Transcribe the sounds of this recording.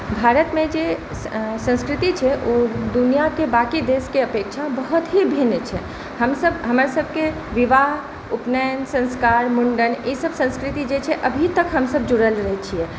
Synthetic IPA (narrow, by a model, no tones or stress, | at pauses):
bʱaɾət̪mẽd͡ʒe | sə̃nskɾit̪it͡ʃʰɛʔod̪unijakebakid̪eskeəpekt͡ʃʰabəɦut̪ɦibʱint͡ʃʰɛ | həmsəbɦəmɾsəbʱke | ʋiʋaɦ | upnənsə̃ñskaːɾmuɳɖənesəbsə̃skɾit̪id͡ʒet͡ʃʰɛʔəbʱit̪əkɦəmsəbd͡ʒuɽəlɾəɦɛt͡ʃʰiɛ